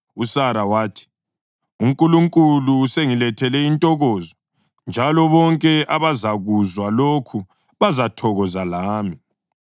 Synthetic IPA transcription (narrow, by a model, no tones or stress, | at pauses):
usaɾawaːtʰi̥ | uŋkʼuluŋkʼuluːseŋilɛtʰɛlɛintʼɔɣɔːzɔ | nd͡ʒʱalɔβɔŋkʼɛʔaβazaɣuzwalokʰu | βazatʰɔɣɔzalaːmi